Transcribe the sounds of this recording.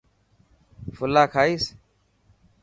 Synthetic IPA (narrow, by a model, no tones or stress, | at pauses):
fʊlaːkʰaːiːs